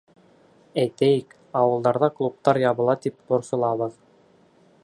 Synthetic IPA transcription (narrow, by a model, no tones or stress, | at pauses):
æjt̪æjɘk | ɑwɤ̆lˠd̪ɑɾðɑklˠup̚t̪ɑɾjɑβɤ̆lˠɑt̪ip̚t̪ŏɾsɤ̆lˠɑβɤ̆ð